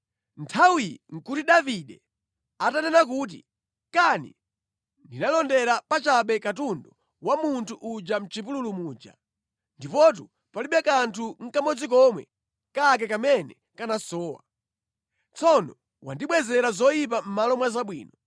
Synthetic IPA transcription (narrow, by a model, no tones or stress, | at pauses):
ntʰawiiŋ̩kutiɗaviɗɛ | atanɛnak̬uːt̬ḭ | kanḭ | ndinalɔndɛɾapat͡ʃaɓɛkatundɔ | wamuntʰuʔud͡ʒam̩t͡ʃipululumuːd͡ʒa̰ | ndipɔt̬u | paliɓɛkantʰuŋ̩kamɔd͡zik̬ɔmwɛ̰ | kak̬ɛkamɛnɛ | kanasɔːwa̰ | t͡sʰɔnɔ | wa̰ndiɓwɛzɛɾazɔjip̬am̩malɔmwazaɓwḭːnɔ